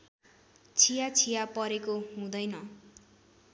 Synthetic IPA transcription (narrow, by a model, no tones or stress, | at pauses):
t͡sʰijat͡sʰijapʌɾekoɦũd̪ʌjnʌ